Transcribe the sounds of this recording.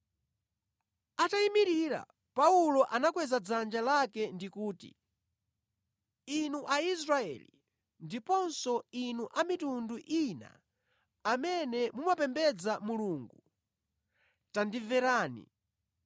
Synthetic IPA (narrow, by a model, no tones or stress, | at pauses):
ataimiɾiɾa̰ | paulɔʔanakwɛzad͡zand͡ʒalakɛndikuːtḭ | inuʔais̬ɾaɛ̰lḭ | ndipɔnsɔinuʔamitunduʔina̰ | amɛnɛmumapɛmbɛd͡zamuluːŋɡu | tandivɛɾaːnḭ